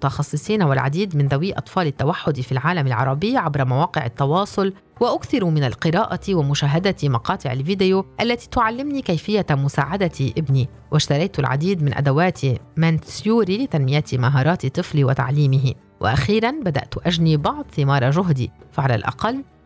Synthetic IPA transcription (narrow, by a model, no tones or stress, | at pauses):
mʊt̪ɑxɑsˤːɨsˤiːnawɪlʕa̰d̪iːd̪mɪnðawiːʔɑ̰t̪ˤfɑːlɪt̪ːawaħːʊd̪ifilʕaːlamɪlʕɑ̰ɾˤɑbɪjːʕabɾɑmawɑːqɪʕɪt̪ːɑwɑːsˤʊl | waʔʊkθɪɾumɪnalqɪɾaːʔat̪iwɪmʊʃaːɦad̪at̪imɑqɑːt̪ˤɪʕɪ̰lviːd̪ɪjoʔalːat̪i̥t̪ʊʕalːɪmnikajfɪjːamʊsa̰ːʕad̪at̪iʔɪbni | wʔɪʃt̪ɑɾˤɑjt̪ʊlʕa̰d̪iːd̪mɪnʔa̰d̪awaːt̪ʰimansjuːɾilɪt̪anmɪjat̪imaɦɑːɾˤɑːt̪it̪ˤɨfliwɪt̪a̰ʕliːmɪɦi | wʔa̰ʔaxiːɾanbad̪a̰ʔt̪ʔaʒnibɑʕd̪ˤθɪmɑːɾˤɑʒʊɦd̪ḭfaʕala̰lʔɑ̰qɑlː